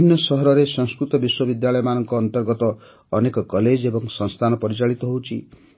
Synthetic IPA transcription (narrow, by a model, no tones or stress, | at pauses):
injɔsɔɦɔɾɔɾesɔ̃ŋskɾut̪ɔbiswɔbid̪jaɭɔjɔmanɔŋkɔːnt̪ɔɾɡɔt̪ɔː | nekɔkɔled͡ʒebɔŋsɔŋst̪ʰanɔpɔɾit͡ʃaɭit̪ɔɦowt͡ʃʰḭ